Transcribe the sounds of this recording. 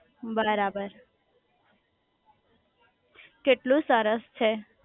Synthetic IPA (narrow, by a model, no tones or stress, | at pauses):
bəɾabəɾ | keʈlũsəɾəst͡ʃʰe